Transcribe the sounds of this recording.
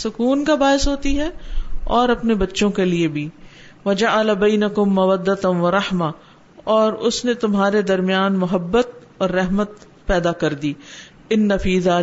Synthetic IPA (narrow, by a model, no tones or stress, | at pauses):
sʊkuːnkabaːɪsɦoːt̪iɦɛɔːɾɐpnebɐtːʃõkeliebʱiː | ʋɐd͡ʒaʕəlabɐːnɐkʊmːɐwɐd̪ːɐt̪ʋɐɾɐhma | ɔːɾʊsnet̪ʊmɦaːɾed̪ɐɾmɪjaːnmʊɦɐbːət̪̚ɔːɾːɛɦmət̪ | pɛːd̪akɐɾd̪iː | ɪnːɐfiːðaː